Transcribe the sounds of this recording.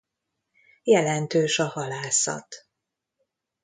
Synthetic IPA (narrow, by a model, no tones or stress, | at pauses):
jɛlɛnt̪øːʃɒhɒlaːsɒ̰t̪